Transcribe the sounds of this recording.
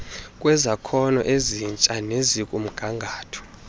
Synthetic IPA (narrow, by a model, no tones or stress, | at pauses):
kʼwɛzakʰɔnɔ̰ʔezint͡ʃʼanezikʼum̩ɡ̥ʱaŋɡʱaːtʰɔ̥